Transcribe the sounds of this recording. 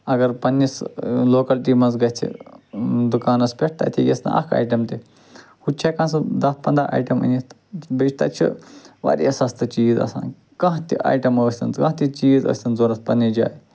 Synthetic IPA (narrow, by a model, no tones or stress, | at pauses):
ɐɡɐɾpɐnːisloːkɐlʈiːmɐnzɡɐt̪ʰḭ | d̪ukaːnɐspʲeʈ̚ʰt̪ɐ̰t̪ʰijʲesna̰ʔɐ̰kʰa̰ːjʈɐmt̪i | hut͡ʃʰɐkɐ̃nsɨd̪ɐspɐnd̪ɾaʔa̰ːjʈɐmɐ̰nʲi | bit͡ʃʰt̪ɐt͡ʃʰḭʋɐ̰ɾʲiɐsɐst̪ɨt͡ʃiːzɐ̰sã̰ːn | kɐ̃ɦt̪iʔa̰ːjʈɐməːsʲt̪ɐnt͡skɐ̃t̪it͡ʃiːzə̰ːsʲt̪ɐnzoːɾɐspɐnːid͡ʒʲa̰ːj